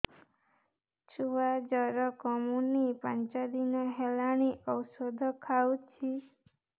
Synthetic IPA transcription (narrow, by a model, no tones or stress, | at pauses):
t͡ʃuʋad͡ʒɔɾɔkɔmunipãnt͡ʃad̪inɔɦɛlañiʔɔwsɔd̪ʱɔkʰawt͡ʃʰi